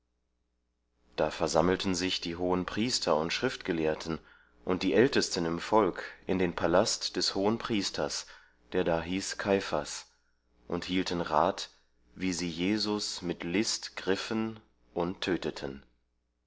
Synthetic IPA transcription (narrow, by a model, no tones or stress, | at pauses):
d̥aːfɛɐzaml̩tʰn̩zɪçd̥iːɦoːənpʁ̥iːstʰɐʊntʃʁ̥ɪftɡ̥əleːɐtʰən̩ | ʔʊnt̚d̥iːʔɛltəstənɪmfɔlkɪndeːnpʰalastd̥ɛshoːənpʁ̥iːstʰɐs | d̥eːɐdaːɦiːskʰaɪfa̰s | ʔʊnthiːltən̩ʁaːt | viːziːjeːzʊsmɪtlɪstɡ̥ʁɪfən | ʔʊntʰːøːtətʰən